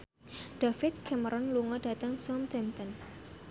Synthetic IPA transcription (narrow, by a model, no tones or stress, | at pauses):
ɖ̥afɪt̪̚kʰɛməɾʔɔnluŋɔɖ̥a̤t̪əŋsɔmt̪ɛmt̪ən